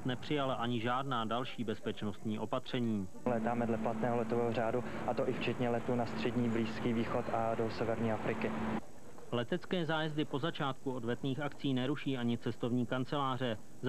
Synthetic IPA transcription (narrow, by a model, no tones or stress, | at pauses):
t̪nɛpr̥ɪjalaʔaɲɪʒaːdnaːdalʃiːbɛspɛt͡ʃno̞st̪ɲiːʔo̞pat̪r̝̥ɛɲiː | lɛːt̪aːmɛdlɛplat̪nɛːɦolɛt̪ovɛːɦoraːdu | ʔat̪oʔɪft͡ʃɛt̪ɲɛlɛt̪uːnast̪r̝̥ɛdɲiːbliːskiːviːxot̪ʔadosɛvɛɾɲiːafɾɪkɪ | lɛt̪ɛt͡skɛːzaːjɛzdɪpo̞zat͡ʃaːt̪kuo̞dvɛt̪niːxakt͡siːnɛɾuʃiːʔaɲɪt͡sɛst̪o̞vɲiːkant͡sɛlaːr̝ɛ | z